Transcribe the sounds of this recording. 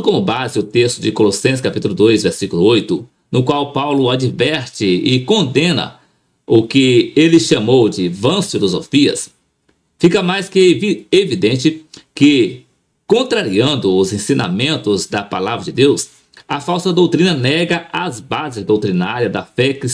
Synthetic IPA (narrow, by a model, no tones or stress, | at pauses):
ʊkõmʊbazɪʊt̪est̪ʊd͡ʒɪkolosẽskapit̪ʊlʊd̪ojzveɾsikʊlʊojt̪ʊ | nʊkwawpawlʊad͡ʒivɛɾt͡ʃɪɪkõnd̪ẽnɐ̰ | ʊkɪelɪʃɐ̃mowd͡ʒɪvɐ̃sfilozofiɐ̰s | fikɐmajskɪevid̪ẽnt͡ʃɪkɪ | kõnt̪ɾaɾiɐ̃nd̪ʊʊzẽsĩnʔa̰mẽnt̪ʊzd̪ɐpa̰lavɾɐd͡ʒɪd̪ews | ɐfawsɐd̪owt̪ɾĩnɐnɛɡɐɐzbazɪzd̪owt̪ɾinaɾjɐd̪ɐfɛkɾi